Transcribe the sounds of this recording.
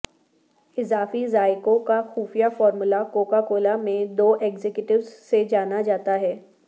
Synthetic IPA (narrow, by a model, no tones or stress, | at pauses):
ɪzaːfizaːɪkõkaxuːfijafɔːɾmʊlakoːkakoːlamẽd̪oːʔeːɡzekjʊʈɪʋzsed͡ʒaːnad͡ʒaːt̪aɦɛː